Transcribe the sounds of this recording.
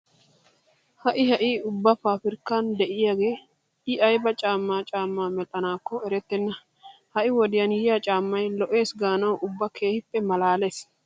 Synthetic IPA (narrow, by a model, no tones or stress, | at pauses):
hɐʔɪhɐʔiːʊbːɐfaːfɪɾkːaːnd̪ɛʔɪjaːɡe̞ː | ɪʔɐjbɐt͡ʃʼaːmːaːt͡ʃʼaːmːaːmɛt̪ʼːɐnaːkːɔɛɾɛt̪ːɪnːɐ | hɐʔɪwɔd̪ɪjɐnjɪjat͡ʃʼaːmːɐjlɔʔe̞ːsɡaːnɐwʔʊbːɐkʰe̞ːhɪpʼːɛmɐlaːles